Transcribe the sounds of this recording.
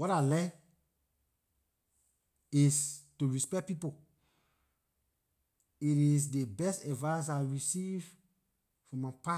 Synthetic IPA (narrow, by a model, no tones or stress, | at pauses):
wɔɾaɪlɛ | istuɹispɛk̚pipo | iɾis̬debɛstɛdvãs̬aɪɹisiv | fɹɔ̃mapa